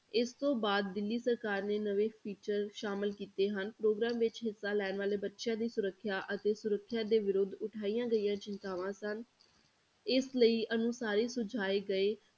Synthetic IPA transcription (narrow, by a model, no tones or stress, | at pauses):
ɪst̪õːbaːd̪̚ːɪlːiːsəɾkaːɾneːnəʋeːpʰiːt͡ʃəɾʃaːmɪlkiːt̪eːɦənpɾoːɡɾaːmʋɪt͡ʃɦɪsːaːlɛːnʋaːleːbətːʃãːd̪iːsʊɾəkʰːjaːʔət̪eːsʊɾəkʰːjaːd̪eːʋɪɾʊd̪ʊʈʰaːijãːɡəijãːt͡ʃɪnt̪aːʋãːsən | ɪsləiːʔənũːsaːɾiːsʊd͡ʒʱaːeːɡəeː